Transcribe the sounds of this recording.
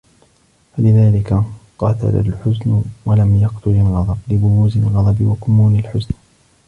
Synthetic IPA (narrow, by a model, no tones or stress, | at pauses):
falɪðaːlɪkaqɑt̪a̰la̰lħʊznʊwalamjɑqt̪ʰʊlalɣɑd̪ˤɑblɪbʊɣuːzalɣɑd̪ˤɑbɪwakʊmːuːnalħʊzn